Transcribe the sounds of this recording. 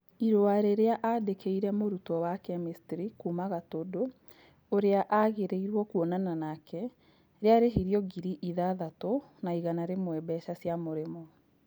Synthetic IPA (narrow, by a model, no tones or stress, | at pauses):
iɾoaɾeɾeaʔadekʰeiɾɛmoɾutɔwakɛmistɾikumaɣatodoː | ɾeaʔaɣeɾeiɾwɔkuɔnananakʰɛ | ɾeaɾeɦiɾjɔɡiɾiʔiðaðatonaiɣanaɾemwɛbɛʃasjamoɾemɔ